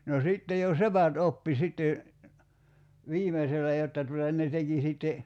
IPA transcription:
no siˑtːe jo sepæt opːi sitːe ʋiːmeselːæ jotːɑ tutɑ ne teki siˑtːe

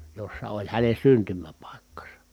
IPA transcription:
josːɑ olʲ hænen̞ syntymæpɑˑikːɑsɑ

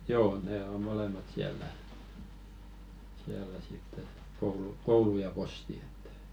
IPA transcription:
joː ne o molemɑt siælˑæ siælːæ sitː et koulu koulu jɑ posti e̥tːæ̥

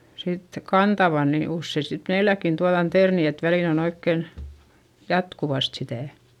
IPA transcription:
sit kɑntɑʋɑ ni usːei sit meilækːin tuɑðɑn terni et ʋæliˑn on oikːen jɑtkuʋɑst sitæˑ

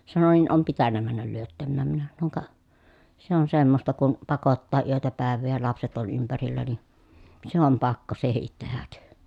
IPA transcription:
sɑno niːn om pitænːæ mænːæl lyøtːæmːæːm minæ sɑnoŋ kɑ se on semːostɑ kun pɑkotːɑː yøtæ pæˑeʋˑeː jɑ lɑpset ol ympærilːæ ni se om pɑkːo sehit tehæk

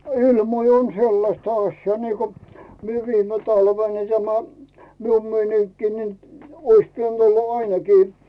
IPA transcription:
ilmoi on selːɑstɑ ɑsʲjɑː niːko mie ʋiːme tɑlʋen ni tæmæ mium meiniŋkːiː nin ois piænt olːɑ ɑinekiː

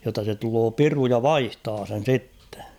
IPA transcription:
jotːɑ se tuloː piru jɑ ʋɑihtɑː sen̞ sitːe̥

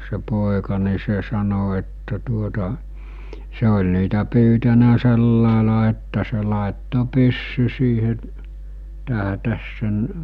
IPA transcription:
se poˑekɑ ni se sɑno etːæ tuotɑ se olʲ niːtæ pyːtænæ selːɑˑelɑ etːæ se lɑˑetːo pysːy siːheʔ tæɦæ̆tæs sen

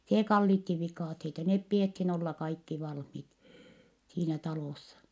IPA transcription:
seː kɑlːitːi ʋikɑˑtheitɑ nep piethin olːɑ kɑikːi ʋɑlhmit siːnæ tɑloˑsːɑ

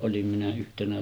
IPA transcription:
ʔolim minæ yhtenæ

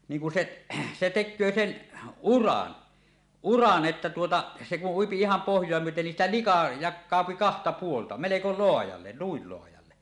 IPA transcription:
niːŋ kun seʔ se tekˑøː sen urɑn urɑn ʔetːæ tuotɑ se kuʔ ʔuipi ihɑm pohjˑoɑ myøten nin siːtæ likɑ jɑkˑɑˑopi kɑhtɑ puoltɑ meleko loɑjɑlːe nuil loɑjɑlːe

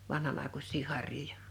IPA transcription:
ʋɑnhɑn ɑˑekusˑiː hɑrˑjojɑ

